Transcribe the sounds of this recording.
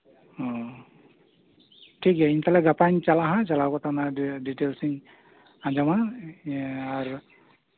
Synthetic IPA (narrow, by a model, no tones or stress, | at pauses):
ɔ | ʈʰikɛint̪alaɡapant͡ʃalaɦãt͡ʃalawkɔt̪anadiʈelsiŋ | ãd͡ʒama | aɾ